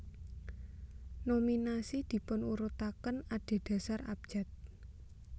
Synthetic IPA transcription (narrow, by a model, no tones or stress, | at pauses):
nominasid̪̥i̤pʊnuɾut̪akənaɖ̥e̤ɖ̪̥ä̤sara̰b̥̚ʒ̥a̤t̪̚